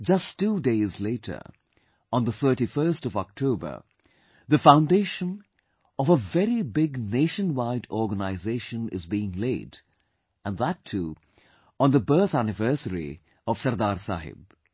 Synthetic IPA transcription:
d͡ʒʌstːuːdeɪzleɪɾʰə̰˞ | ə̃nðəθɜ˞ʈifɜ˞stɔvɔk̚tʰoʊbə̰˞ | ðəfãʊ̃ndeɪʃə̃n | ɔvəvɛɾibɪɡneɪʃə̃nwaɪdɔːɡənaɪzeɪʃə̃nɪ̰zbiɪ̃ŋleɪd | ə̃nðətʰuː | ə̃nðəbɜ˞θænɪvɜ˞səɾḭ | ɔv̥sʌɾd̪aːɾsa̰ːɦɪ̰b̚

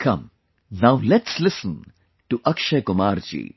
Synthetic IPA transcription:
kʰɐ̃m | nawlɛʈslɪsə̃n | ʈuʔɐkʃekʊmaːɾd͡ʒḭː

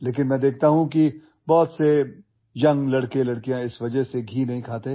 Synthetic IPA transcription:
leːk̬ɪnmɛ̃ːd̪eːk̚ʰt̪aɦũki | bɔːt̪se | jɐ̃ŋɡlɐɽkelɐɽkijãɪsʋɐd͡ʒəɦseɡʱiːnɐɦĩkʰaːt̪e

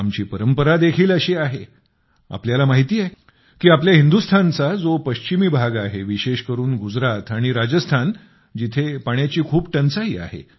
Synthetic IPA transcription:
amt͡ɕiːpəɾəmpəɾad̪ekʰiːləɕiːaɦe | a̰pljalamaɦit̪iːje | kiːapljaɦind̪ust̪ʰant͡sad͡zopəɕt͡ɕimiːbʱaɡaɦeʋiɕeɕkəɾuːnɡud͡zɾat̪aɽ̃iɾad͡ʑəst̪ʰan | d͡ʑit̪ʰepaɳjat͡ɕiːkʰuːpʈənt͡saɦiːa̰ɦḛ

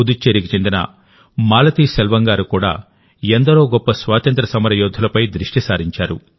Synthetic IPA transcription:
ud̪ut͡ʃːeːɾikit͡ʃe̞nd̪inɐ̰ | maːlɐt̪iːsɛlʋɐŋɡaːɾukuːɽa̰ː | end̪ɐɾoːɡɔpːɐsʋaːt̪ɐnt̪ɾɐsɐmɐɾɐjɔːd̪ʱːɐlɐpɐjd̪ɾiʂʈisaːɾiɲt͡ʃaːɾṵ

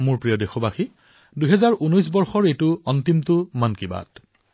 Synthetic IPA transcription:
mʊɹpɹijodexɔbaxi | duɦɛzaɹunɔjs̬bɔɹxɔɹejtʊɔntimtʊmankiba̰t

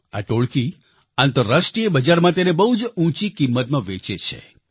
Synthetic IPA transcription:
a̰ʈoɭki | ant̪əɾːasʈɾijəbəd͡ʒaɾmãt̪̬enebəɦud͡ʒũt͡ʃikimːət̪mãʋet͡ʃet͡ʃʰḛ

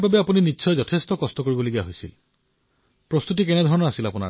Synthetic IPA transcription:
babɛapuninitːsʰɔjzɔtʰestɔkɔstɔkoɹibɔloɡijaɦojsḭl | pɹɔst̪utikɛnɛd̪ʱɔɹɔnɔasilapuna̰

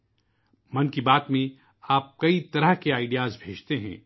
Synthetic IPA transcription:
mɐnkibaːt̪mẽ | aːp̚kɐit̪ɐɾəɦkeaːɪɖijaːzbʱeːd͡ʒt̪eɦɛ̰̃ː

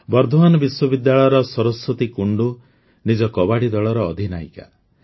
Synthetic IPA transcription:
bɔɾd̪ʱɔmanɔbiswɔbid̪ːaɭɔjɔɾɔsɔɾɔsːɔt̪ikuɳɖu | nid͡ʒɔkɔbaɽid̪ɔɭɔɾɔːd̪ʱina̰ika

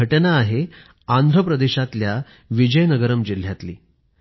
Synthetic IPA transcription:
əʈənaːɦe | and̪ʱɾəpɾəd̪eɕat̪lja | ʋid͡ʑəjnəɡəɾəmd͡ʑil̤ːjat̪liː

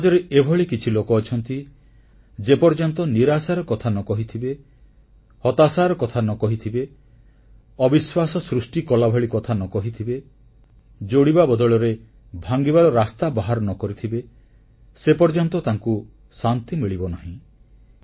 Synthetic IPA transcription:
ɦad͡ʒɔɾeebʱɔɭikit͡ʃʰilokɔːt͡ʃʰɔnt̪i | d͡ʒepɔɾd͡ʒɔnt̪ɔniɾasaɾɔkɔt̪ʰanɔkɔɦit̪ʰibe | hɔt̪asaɾɔkɔt̪ʰanɔkɔɦit̪ʰibe | ɔbiswasɔsɾusʈikɔlabʱɔɭikɔt̪ʰanɔkɔɦit̪ʰibe | d͡ʒoɽibabɔd̪ɔɭɔɾe | bʱaŋɡibaɾɔɾast̪abaɦaɾɔnɔkɔɾit̪ʰibe | sepɔɾd͡ʒɔnt̪ɔt̪aŋku | sant̪imiɭibɔnaɦĩ

